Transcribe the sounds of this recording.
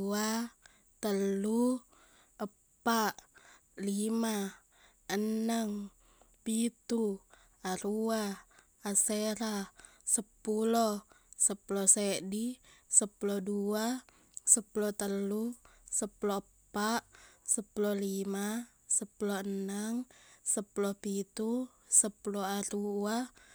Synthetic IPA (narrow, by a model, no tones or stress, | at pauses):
a | t̪əlːu | ə | pːaʔ | lima | ənːəŋ | pit̪u | aɾuaː | seɾasəpːulɔsəpulɔsɛdisəpulodua | səpulɔt̪əlːu | səpulɔə | paʔsəpulɔlima | səpulɔənəŋsəpulɔpit̪u | səpuloaɾua